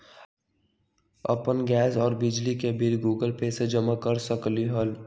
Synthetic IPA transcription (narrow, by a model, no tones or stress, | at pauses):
ə̰pənɡɛːsɔːɾbɪd͡ʒlikebiɾɡuːɡəlpeːsed͡ʒəmakəɾsəkliɦəl